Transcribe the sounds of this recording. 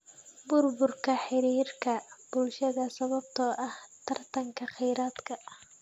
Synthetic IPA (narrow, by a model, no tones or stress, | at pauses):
bʊrbʊrkʰɐħɪɾiːrkʰɐb̥ʊlʃɐðɐsɐβɐb̚t̪ʰɔʔɐht̪ʰɐrt̪ʰɐŋkʰɐχɛjɾaːd̪kʰɐ